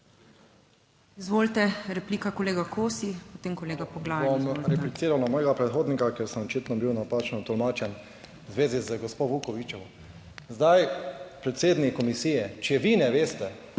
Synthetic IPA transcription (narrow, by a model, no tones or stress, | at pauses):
izʋoːlt̪ɛɾɛplikakoleːɡakoːsipɔt̪eːmkɔleːɡapɔɡlaːɔmɾɛplit̪siːɾawlamɔːjɛɡapɾɛt̪xoːd̪nikakjeɾsəmɔt͡ʃiːt̪nɔbiwnapaːt͡ʃnɔt̪ɔlmaːt͡ʃɛn | zʋeːzizəɡɔspoʋukɔʋit͡ʃɔw | zd̪ajpɾɛt̪seːd̪nikkːɔmisiːjɛt͡ʃɛjɛʋinɛʋeːst̪ɛ